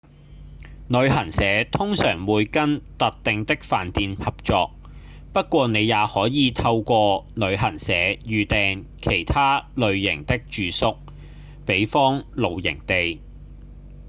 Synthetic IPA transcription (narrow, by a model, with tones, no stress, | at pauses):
nɵ˨˧ɥɦɐ˨˩nsɛː˨˥t̪ʰʊ˥ŋsœː˨˩ŋwuː˨˧jkɐ˥nt̪ɐ˨t̚t̪ɪ˨˧ŋt̪ɪ˥k̚faː˨nt̪iː˨˧nhɐ˨p̚t͡ʃɔː˨k̚ | pɐ˥t̚kʷɔː˧ne˨˧jaː˨˧hɔː˨˥jiː˨˧t̪ʰɐ˧wkʷɔː˧nɵ˨˧ɥɦɐ˨˩nsɛː˨˥jyː˨t̪ɛː˨˧ŋkʰe˨˩jt̪ʰaː˥lɵ˨˧ɥjɪ˨˩ŋt̪ɪ˥k̚t͡ʃyː˨˧sʊ˥k̚ | pe˨˥jfɔː˥ŋlo˨˧wjɪ̰˨˩ŋt̪e˨j